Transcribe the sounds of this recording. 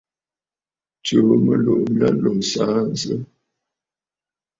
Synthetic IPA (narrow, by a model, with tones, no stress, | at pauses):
t͡ʃo˨˦mə˦lo˨ʔmi˦a˦lo˨saː˨˦n̩˦zə˦